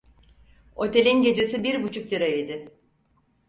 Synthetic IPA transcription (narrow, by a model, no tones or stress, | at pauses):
o̞t̪ʰe̞lʲinɟe̞d͡ʒe̞sibiɾbut͡ʃʰuk̚d̪iɾaid̪ɪ